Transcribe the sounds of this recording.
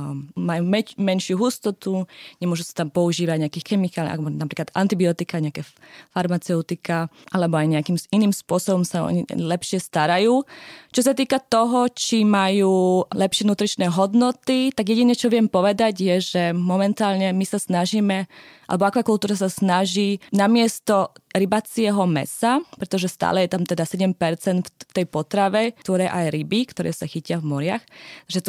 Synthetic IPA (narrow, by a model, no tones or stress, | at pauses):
majumɛmɛnʃɪuɦust̪ɔt̪uɲɛmʊɔʒusḁt̪ampɔuʒiːʋaɟɲɛakiːxɛmikaːl̰ʔa̰kbɔnapɾiːklad̪a̰nt̪ibiɔt̪ikaɲɛakɛːfaɾmat͡sɛʊt̪ika | ʔalɛbɔajɲɛakiːminiːmspʊɔsɔbɔmsaɔ̰ɲḭlɛpʃɪɛst̪aɾajuːt͡ʃɔs̬at̪iːkat̪ɔɦɔt͡ʃimajuːlɛpʃɪɛnuːt̪ɾit͡ʃnɛːɦɔd̪nɔt̪it̪aɡjɛɟiɲɛt͡ʃɔʋɪɛmpɔʋɛd̪aɟjɛʒɛmɔmɛnt̪aːlɲɛmisasnaʒiːmɛʔa̰lɛbɔakʋakulˠt̪uːɾas̬asnaʒinamɪɛst̪ɔɾibat͡sɪɛɦɔmɛ̰sapɾɛt̪ɔʒɛst̪a̰ːlɛjɛt̪amt̪ɛd̪asɛɟɛmpɛɾt͡sɛnt̪fft̪ɛjpɔt̪ɾaʋɛt̪ɔɾɛːʔajɾibikt̪ɔɾɛ̰ːsaxicɪavmɔɾɪa̰xaʒɛt̪